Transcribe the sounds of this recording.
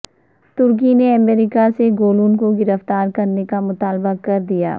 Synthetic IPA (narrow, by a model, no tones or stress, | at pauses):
t̪ʊɾk̬ineɐmɛːɾɪkaseɡoːluːnkoɡɪɾəft̪aːɾkɐɾnekamʊt̪aːlbakɐɾd̪ija̰ː